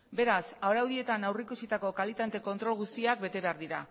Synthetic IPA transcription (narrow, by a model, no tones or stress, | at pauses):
be̞ɾasaoɾawðie̞t̪anawrikusit̪ako̞kalit̪ant̪e̞ko̞nt̪ɾo̞lɣ̞ust̪iak̚be̞t̪e̞βe̞aɾðiɾa̰